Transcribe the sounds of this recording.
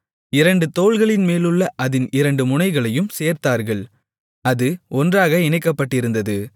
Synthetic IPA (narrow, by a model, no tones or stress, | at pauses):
ɪɾɐɳɖɯt̪oːɭɣɐɭɪnmeːlɯɭːɐʔɐðɪnɪɾɐɳɖɯmʊnɐɪɣɐɭɐjɯmseːɾt̪aːɾɣɐɭ | ɐðɯɔndraːɣɐɪɳɐɪkːɐpːɐʈːɪɾɯnd̪ɐðɯ